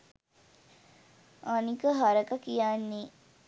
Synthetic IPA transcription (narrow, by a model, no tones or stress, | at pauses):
anikəɦaɾəkəkijanːi